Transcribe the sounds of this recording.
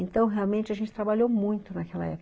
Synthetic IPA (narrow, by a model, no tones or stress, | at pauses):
ẽnt̪ɐ̃w̃ɦeawmẽnt͡ʃɪɐʒẽnt͡ʃɪ̥t̪ɾabaʎowmũj̃t̪ʊnɐkɛlɐ̰ɛ̰p